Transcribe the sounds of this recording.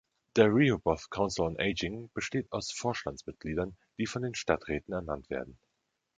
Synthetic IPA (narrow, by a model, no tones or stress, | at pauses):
d̥eːɐʁiːobɔθkʰaʊnsl̩ʊnʔeɪd͡ʒɪŋb̥əʃteːtaʊsfoːɐʃtant͡smɪt̚ɡ̥liːdɐn | d̥iːfɔndeːnʃtatʁ̥ɛːtn̩ɛɐnantv̥ḛːɐdn̩